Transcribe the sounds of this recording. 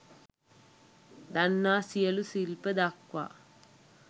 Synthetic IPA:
d̪ɐnːaːsijɐlusilpɐd̪akʋa̰ː

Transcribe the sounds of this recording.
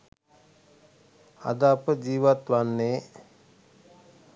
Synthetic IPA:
a̰d̪apəd͡ʒiːʋat̪ʋanːe

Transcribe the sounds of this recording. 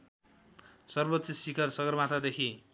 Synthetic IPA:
sʌrbot̪ːsʌsikʰʌrsʌɡʌrmat̪ad̪ekʰi

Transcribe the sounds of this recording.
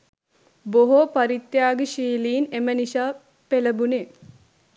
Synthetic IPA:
boɦopɐɾit̪jaːɡeʃiːliːneməniʃaː | peləbune

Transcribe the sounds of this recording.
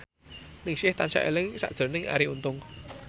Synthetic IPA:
nɪŋsiəht̪ansa̰ʔə̰ləŋsa̰ʔz̥ə̤nɪŋa̰ɾiʔunt̪ʊŋ

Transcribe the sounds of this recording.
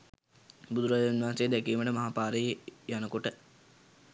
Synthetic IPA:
bud̪uɾad͡ʒanʋaɦansejəd̪ækiːməɳəmaɦapaːɾəjəjanəkoʈə

